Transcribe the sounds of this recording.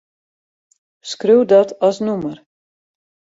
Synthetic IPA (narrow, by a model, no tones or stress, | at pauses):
skrøwdɔtʰɔsnumər